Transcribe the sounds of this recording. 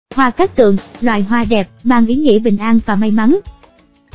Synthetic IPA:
hwaː˧kaː˦˥k̚t̪ɨ̰˧˨əŋlwa̰ː˧˨jɦwaː˧ɗɛ˨˩p̚maː˧ŋʔi˨˦ŋḭ˧˥ɓï˨˩ŋ̟ʔaː˧nvaː˨˩ma˧jma˨˦n

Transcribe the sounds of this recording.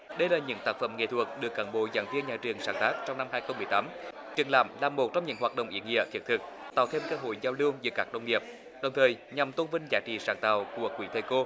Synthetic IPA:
ɗə˧jlaː˨˩ɲɨ̰˧˥ŋt̪aː˦˥k̚fə̰˧˩mŋḛ˧˨t̪ʰu˨˩ək̚ɗɨ˨˩əkːaː˧˨˦nɓo̰˧˨za̰ː˧˩˦nvi˧ənɲaː˨˩t͡ɕɨ˨˩əŋsaː˧˩ŋt̪aː˦˥k̚t͡ɕɔ˧wŋ͡mna˧mɦaː˧jxə˧wŋ͡mmɨ˨˩əjt̪aː˨˦m | t͡ɕɨ˨˩əŋla̰ː˧˨˩mlaː˨˩mːo˨˩t̚t͡ɕɔ˧wŋ͡mɲɨ̰˧˥ŋɦwaː˨˩t̚ɗə̰˧˨wŋ͡mʔḭ˧˦əŋḭ˧˨ək̪i˨˦˥t̚t̪ʰɨ˨˩k̚t̪a̰ː˨˩wt̪ʰe˧mkəː˧ɦo̰˧˨jzaː˧wlɨ˧əŋzɨ̰˧˦kaː˦˥k̚ɗə˧wŋ͡mŋi˨˩əp̚ | ɗə˨˩wŋ͡mt̪ʰəː˨˩jɲa˨˩mt̪o˧nvï˧ŋzaː˨˦t͡ɕḭ˧˨saː˧˩ŋt̪a̰ː˧˨˩wku˧˩əkwḭ˧˩˦t̪ʰe˧ko˧

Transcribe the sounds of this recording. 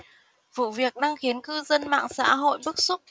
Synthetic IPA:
vṵ˧˨vi˨˩ək̚ɗaː˧ŋxi˨˦ənkɨ˧zə˧nma̰ː˧˨ŋsa̰ː˧˥ɦo̰˧˨jɓɨ˦˥k̚su˦˥k͡p̚

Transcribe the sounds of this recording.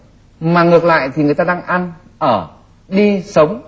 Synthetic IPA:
maː˨˩ŋɨ˨˩ək̚la̰ː˧˨jt̪ʰi˨˩ŋɨ˨˩əjt̪aː˧ɗaː˧ŋʔa˧n | ʔəː˧˩ | ɗi˧sə˨˦wŋ͡m

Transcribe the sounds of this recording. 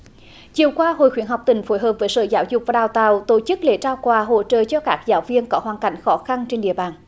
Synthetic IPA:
t͡ɕi˨əwkwaː˧ɦo̰˧˨jxwi˨˦ənɦa˨˩wk͡p̚t̪ï˨˩ŋ̟fo˨˦jɦəː˨˩p̚vəː˨˦jsə̰ː˧˨˩zaː˨˦wzʊ˨˩k͡p̚vaː˨˩ɗaː˨˩wt̪a̰ː˧˨wt̪o˧˩t͡ɕɨ˦˥k̚lḛ˧˨˦t͡ɕaː˧wkwaː˨˧˩ɦo̰˧˨t͡ɕə̰ː˧˨t͡ɕɔ˧kaː˦˥k̚zaː˨˦wvi˧ənkɔ˨˦ɦwaː˨˩nka˧˩jŋ̟xɔ˨˦xa˧nt͡ɕe˧nɗḭ˧˨əɓaː˨˩n

